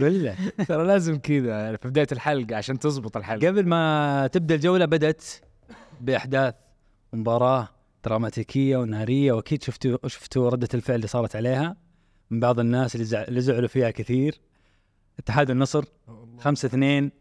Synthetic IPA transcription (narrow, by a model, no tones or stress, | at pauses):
ɡʊlːasɑɾˤɑlaːzɪmkɪd̪afibɪd̪aːjt̪ɪlħalɡʕaʃaːnt̪ɨzˤbɨt̪ˤɪlħalɡablmat̪ɪb̚d̪ald͡ʒawlabad̪at̪ | bɪʔaħd̪aːθ | mmʊbɑːɾˤɑː | d̪̥ɾˤɑːmaːt̪iːkʰɪjːawnaːɾɪjːawʔakiːd̪ʃʊft̪uʃʊ̥ft̪uɾˤɑd̪ːalfɪʕlːiːsˤɑːɾˤɑt̪ʕaleːha | mɪnbɑʕðˤɪnːaːslːiːzʊʕlufiːhakɪθiːɾ | ʔɪt̪ːɪħaːd̪inːɑsˤɾ | xamsaʔθneːn